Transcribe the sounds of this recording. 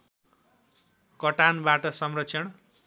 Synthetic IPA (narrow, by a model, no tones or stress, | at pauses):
kʌʈanbaʈʌsʌmrʌtsʰʌɳ